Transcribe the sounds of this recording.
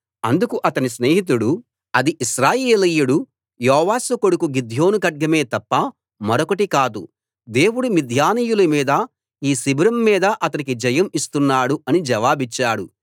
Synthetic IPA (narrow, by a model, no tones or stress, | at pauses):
ɐnd̪ukuʔɐt̪ɐnisne̞ːɦit̪̬uɽu | ɐd̪iʔiʃɾaːjeːlijuɽu | jɔːʋaːsukoɽukuɡid̪ʱjo̞ːnukɐɖ̚ɡɐme̞ːt̪ɐpːɐ | mɐɾokɐʈikaːd̪ṵ | d̪e̞ːwuɽumid̪ʱjaːniːjulɐmiːd̪ɐ | iːsibɾɐmːiːd̪ɐʔɐt̪ɐnikid͡ʒɐjɐmist̪unːaːɽuɐnid͡ʒɐʋaːbit͡ʃːaːɽu